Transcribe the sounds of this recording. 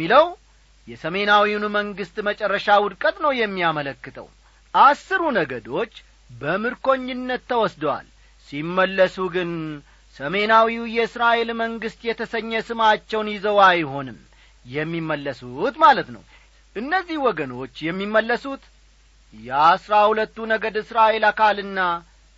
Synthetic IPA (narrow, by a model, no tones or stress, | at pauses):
iləw | jɛsəme̞nawiunməŋɡɨst̪ʼmət͡ʃʼɛrːəʃawʊd̪kʼət̪ʼnəwjɛmːiamələkːɨt̪ʰə̰w | ʔasːɨɾunəɡəd̪o̞t͡ʃː | bəmɨɾko̞ɲːɪnːət̪ʰːəwɔsd̪əwa̰l | simːəlːəsuɡɨn | səme̞nawiwjɛɨsɾaʔe̞lməŋɡɨst̪jɛt̪ʰəsəɲːəsɨmat͡ʃːɛwnjɪzəwajho̞nɨm | jɛmːimːəlːəsut̪malət̪nə̰w | ʔɨnːəzːihwɔɡəno̞t͡ʃːjɛmːimːəlːəsut̪ | jɛasɾahulət̪ːunəɡəd̪ɨsɾaʔe̞lakʰalɨnːa